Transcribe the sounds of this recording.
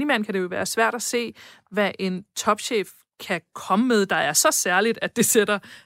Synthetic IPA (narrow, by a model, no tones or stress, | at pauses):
nimæn̰kʰæd̥e̝jo̝ʋæːɐsʋæɐ̰ɾ̥æse̝̰ː | ʋæʔe̝nt͡sʰɒ̽b̥ɕḛːf | kʰækʰɒ̽məmeð̞ˠd̥ɑ̈ɪæɐsɒ̽sæɐlid̥æd̥e̝sed̥ɐ